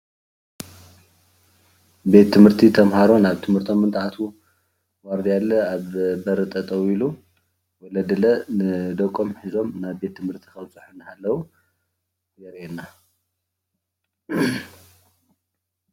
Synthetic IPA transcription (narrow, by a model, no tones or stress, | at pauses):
be̞t̪ʰːɨmhɨɾt̪ʰit̪ʰɐmhaɾo̞naβt̪ʰɨmhɨɾt̪ʰo̞mːɨnt̪ʼʕat̪ʰu | waɾd̪ijalːɐaβbɐɾɨt̪ʼɐt̪ʼɐwilu | wɔlɐd̪ɨlɐnɨd̪ɐkʼːomħizo̞mnaβbe̞t̪ʰːɨmhɨɾt̪ʰi̥kɐwt͡sʼuħunːɨhalːɐwu | jɛɾena